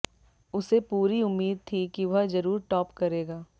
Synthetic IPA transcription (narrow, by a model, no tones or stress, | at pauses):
ʊsepuːɾiʊmːiːd̪̚t̪ʰikiʋɐɦzɐɾuːɾʈɔːpkɐɾeːɡaː